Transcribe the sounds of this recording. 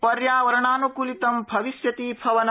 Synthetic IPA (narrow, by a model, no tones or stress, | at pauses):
pɐɾjaːʋɐɾɐɳaːnukulit̪ɐmbʱɐʋisjɐt̪iːpʰɐʋɐnɐ